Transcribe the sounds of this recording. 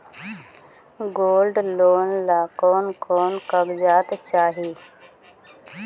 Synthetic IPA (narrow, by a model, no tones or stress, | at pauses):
ɡoːlɖloːnlaːkoːnkoːnkəɡd͡ʒaːt̪t͡ʃaːɦiː